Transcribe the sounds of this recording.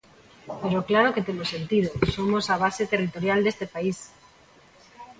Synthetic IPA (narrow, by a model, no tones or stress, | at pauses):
peɾoklaɾoket̪emosent̪ið̞osomosaβ̞aset̪erit̪oɾjald̪est̪epais